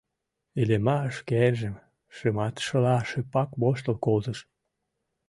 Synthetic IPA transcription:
elemɑəʃkerʒĕm | ʃemɑt̪ʃə̆lɑʃøpɑkβoʃ̬t̪ə̆lkolt̪əʃ

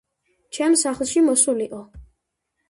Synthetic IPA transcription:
t͡ʃʰɛmsaχlˠʃimɔsuliqʼɔ

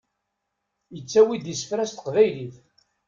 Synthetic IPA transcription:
jət͡sːæwid̪isə̥fɾæst̪ə̥qvæjliθ

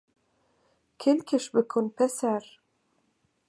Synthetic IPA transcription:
kʰelʲkʰʲeʃbɘ̆kʰonpɛsæɾ

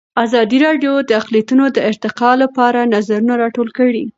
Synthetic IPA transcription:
azɑd̪iɾɑɖjod̪əaqlijat̪unod̪əɪɾt̪ɪqɑlapɑɾanazaɾunaɾɑʈolkəɽi

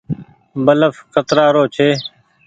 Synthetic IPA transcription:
bələfkət̪ɾaːɾoːt͡ʃʰeː

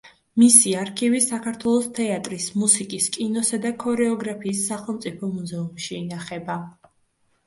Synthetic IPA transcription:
misiaɾkʰivisakʰaɾt̪ʰwɛlˠɔst̪ʰɛat̪ʼɾismusikʼiskʼinɔsad̪akʰɔɾɛɔɡɾapʰiːsːaχɛlˠmt̪sʼipʰɔmuzɛumʃiːnaχɛba

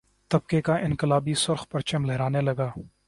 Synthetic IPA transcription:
t̪ɐb̚kekaʔɪ̃nkɪlaːbisʊɾxpɐɾt͡ʃɐmlɛɦɾaːnelɐɡaː

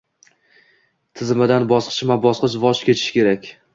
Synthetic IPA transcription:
t̪ʰɪzmɪd̪anbɒsqʰɨ̥t͡ʃmabɒsqɨʃvɒʃkʲʰe̞t͡ʃʰɪ̥ʃɪ̥kʲʰe̞ɾakʲ

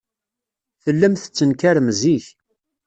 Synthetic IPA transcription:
θəlːəmθət͡sːənkaɾəmziç

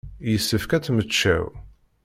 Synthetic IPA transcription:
jəsːəfkæt͡sːmət͡ʃːæ̰w

